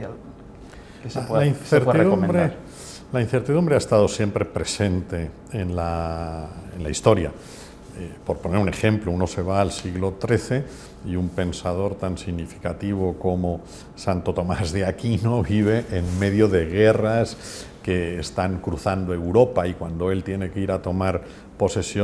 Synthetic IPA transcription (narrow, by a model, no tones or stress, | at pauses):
a | saainθeɾt̪rðumnb̪ɾe | lain̟θe̞ɾt̪iðumbɾeaest̪að̞o̞sje̞mpɾe̞pɾe̞se̞nt̪e̞ː | nla | enlaist̪o̞ɾja̰ | po̞ɾpo̞ne̞ɾune̞xẽ̞mplouno̞se̞β̞aːlsiɣlo̞t̪ɾe̞θe̞ | iumpe̞nsað̞o̞ɾt̪ansiɣnifi̥kat̪iβ̞oko̞mo | sant̪o̞t̪o̞mazðjakinoβiβ̞e̞ʔenme̞ðjoðe̞ɣe̞ras | ke̞ːst̪aŋkɾuθand̪oewɾo̞paikwand̪o̞e̞lt̪je̞ne̞keiɾat̪o̞maɾ | po̞se̞sjo